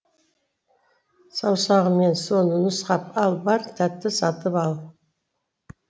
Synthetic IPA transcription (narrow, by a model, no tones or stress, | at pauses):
sɑwsɑʁəme̞nso̞nənəsqɑpɑlˠbɑɾt̪ʰæt̪ːɪsɑt̪əpɑlˠ